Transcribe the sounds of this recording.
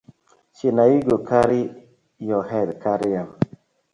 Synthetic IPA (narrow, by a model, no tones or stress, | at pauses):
t͡ʃinaiɡokaɾi | jɔhɛdkʰaɾijam